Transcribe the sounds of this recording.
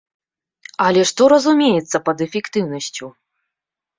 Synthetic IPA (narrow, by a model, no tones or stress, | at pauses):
ɐlʲɛʂt̪ɔɾɐzumʲejɛt̪sːɐpɐd̪ɛfʲɛkt̪ɨwnɐsʲt͡sʲu